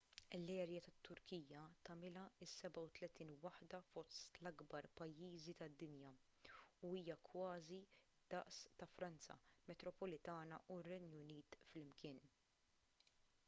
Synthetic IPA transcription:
lɛːɾjɐt̪ɐt̪ːʊɾkiːɐt̪ɐmɪlɐɪsːɛbɐwt̪lɛt̪iːnwɐħd̪ɐfɔst̪lɐɡbɐɾpɐjːiːzit̪ɐd̪ːɪnjɐ | uiːjɐkʰwɐːzi | d̪̥ɐʔst̪ɐfɾɐnt͡sɐ̰mɛt̪ɾɔpɔlɪt̪ɐːnɐʔurːɛɲjʊniːt̪flɪmkɪːn

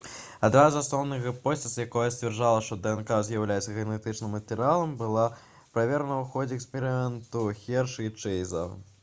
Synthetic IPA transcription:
ad̪ɾazuasnɔwnɨɣɛpɔsʲt̪ʲɐsjakɔjɐsʲt͡sʲvʲɛrʐalˠɐʂt̪ɔd̪ɛɛnkazʲjawlʲajɛsʲɐɣɛnɛt̪ɨt͡ʂnɨmːɐt̪ɛɾɨalˠɐmbɨlˠa | pɾavʲɛɾɐnɐuxɔd͡zʲɛɛkspʲɛɾɨmɛnt̪uxʲɛrʂit͡ʂɛjzɐ̰

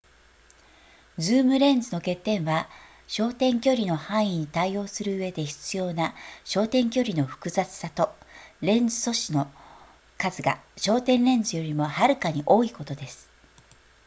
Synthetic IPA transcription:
d͡zɨːmɯ̟ɾẽ̞nd͡zɨno̞ke̞t̪ːẽ̞ɰ̃βa | ɕo̞ːt̪ẽ̞ŋkʲo̞ɾʲino̞hãɰ̃ĩɲ̟it̪aijo̞ːsɨɾɯ̟ɯ̟βe̞d̪e̞çi̥t͡sɨjo̞ːnaɕo̞ːt̪ẽ̞ŋkʲo̞ɾʲino̞ɸɯ̟̥kɯ̟zat͡sɨ̥sat̪o̞ɾẽ̞nd͡zɨso̞ɕino̞ | kazɨɡa̰ɕo̞ːt̪ẽ̞nɾẽ̞nd͡zɨjo̞ɾʲimo̞haɾɯ̟kaɲ̟iʔo̞ːiko̞t̪o̞d̪e̞sɨ̥

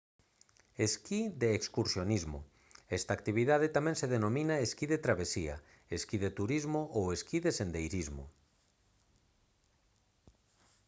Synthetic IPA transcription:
eskiðeːkskuɾsjonizmo | ɛst̪aːk̚t̪iβ̞iðaðet̪amɛ̃nseðenõmĩnaeskiðet̪ɾaβesia̰ | eskiðet̪uɾizmoʔoweskiðesend̪ejɾizmo

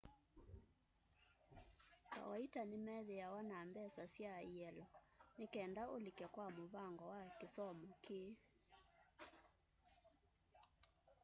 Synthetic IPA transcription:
ka̰waitanemɛðeawanambɛsasjaiɛlɔnekɛːndaolikɛkwamoβaŋɡɔwakesɔmɔke

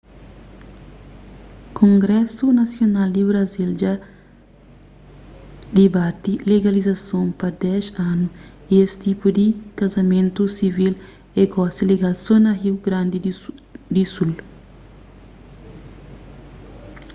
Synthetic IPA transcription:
kʰõŋɡɾɛsunɐsjonald̪ibɾɐzild͡ʒa | d̪ebat̪ileɡɐlizɐsõŋpɐd̪ɛʃanu | iest̪ipud̪ikɐzɐmẽnt̪usivil | eɡɔsileɡalsonɐɦiwɡɾãnd̪id̪isul

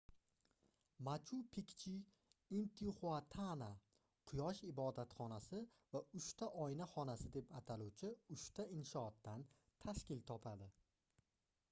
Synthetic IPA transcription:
mat͡ʃʰupʰikʲt͡ʃʰiː | nt̪ʰiχuat̪ʰana | qʰʊjɒʃɪbɒd̪at̪χɒnasɪ | vaʊʃt̪ʰaʔɒjnaχɒnasɪd̪e̞pat̪ʰaluwt͡ʃʰɪʊʃt̪ʰaɪnʃɒːt̪ːan | t̪ʰaʃkʲɪlt̪ʰɒpʰad̪ɪ

